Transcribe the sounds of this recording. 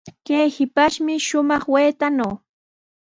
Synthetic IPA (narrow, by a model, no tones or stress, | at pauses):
kejhɪpaʃmɪʃʊmɑχweːt̪anaw